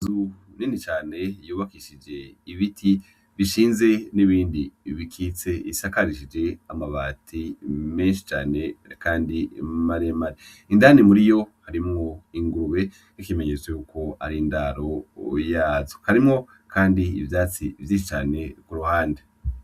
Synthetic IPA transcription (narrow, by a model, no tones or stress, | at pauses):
zu | ninit͡ʃaːne̞juːβakiʃid͡ʒe̞iβitʰi | βiʃiːnze̞niβiːndiβikʰit͡se̞ḭsakaɾiʃid͡ʒe̞amaβaːtʰime̞nʃi̥t͡ʃaːne̞kaːndimaɾemaɾe | indanimuɾijo̞haɾimŋo̞iŋɡuɾuwe̞ | ikemeɲet͡swejuːko̞a̰ɾindaɾo̞jaːzohaɾimŋo̞ | kʰaːndiḭvjaːt͡sivjiːʃit͡ʃaːne̞kuɾuhaːnde